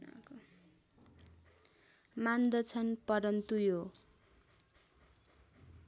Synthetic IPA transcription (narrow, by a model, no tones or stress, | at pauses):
a̰ko | mand̪ʌt͡sʰʌnpʌɾʌnt̪ujo